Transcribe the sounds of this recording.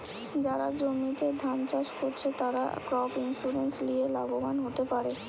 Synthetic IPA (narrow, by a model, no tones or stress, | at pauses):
d͡ʑaɾad͡ʑomit̪ed̪ʱant͡ɕaʃkoɾt͡ɕʰet̪aɾa̰kɾɔpinʃuɾenslielaɡobanɦot̪epaɾe